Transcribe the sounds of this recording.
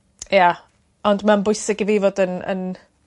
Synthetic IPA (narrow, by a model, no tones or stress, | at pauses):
ja | ɔndmambʊɨsɪɡivivodənə̰n